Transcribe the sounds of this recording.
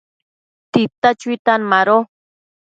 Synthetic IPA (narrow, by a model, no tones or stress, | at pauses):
t̪it̪at͡ʃwit̪anmaɾo